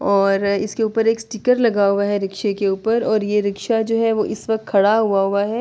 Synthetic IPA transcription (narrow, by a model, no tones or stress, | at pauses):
ɔːɾɪskeuːpəɾeːksʈiːkəɾlɐɡaɦuaɦɛɾɪkʃekeuːpəɾɔːɾjeɾɪkʃad͡ʒoːɦɛʋoʔɪsʋɐkt̪̚kʰɐɽaɦuaɦuaɦɛː